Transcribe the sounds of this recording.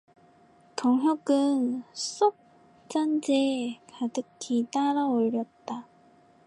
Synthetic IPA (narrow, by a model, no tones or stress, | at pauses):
tʌŋɦjʌɡɯns͈ok̚ | t͡ɕ͈and͡ʑekadɯkʰitaɾaoɭːʌt̚t͈a